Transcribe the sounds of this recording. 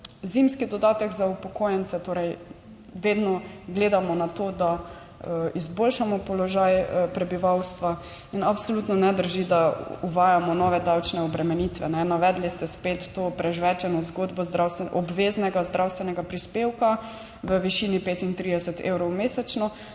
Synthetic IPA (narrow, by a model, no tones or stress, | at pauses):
zimskid̪ɔd̪aːt̪ɛɡzaupɔkojɛnt̪sɛt̪oːɾɛj | ʋed̪nɔɡleːd̪amɔnat̪oːd̪a | izbolʃamɔpɔlɔʒajpɾɛbiʋawst̪ʋa | inapsolut̪nɔnɛd̪əɾʒid̪auʋaːjamɔnɔːʋɛd̪awt͡ʃnɛɔbɾɛmɛnit̪ʋɛ̰nɛnaʋɛd̪list̪ɛspet̪ːoːpɾɛʒʋɛt͡ʃɛnɔzɡod̪bɔzd̪ɾawst̪ɛʔɔbʋeːznɛɡazd̪ɾʔawst̪ʋɛnɛɡapɾispewka | ʋəʋiʃiːnipeːt̪int̪ɾid̪ɛsɛt̪ḛwɾɔwmeːsɛt͡ʃnɔ